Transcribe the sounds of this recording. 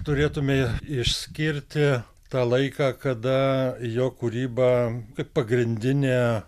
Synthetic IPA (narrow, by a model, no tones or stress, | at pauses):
t̪ʊɾʲeːt̪ʊmʲeɪʃʲsʲkʲɪɾʲt̪ʲɪ | t̪ɑːlˠɐɪkɑːkɐd̪ɐjoːkʊɾʲiːbɑːkɐɪppːɐɡɾʲɪnʲd̪ʲɪnʲeː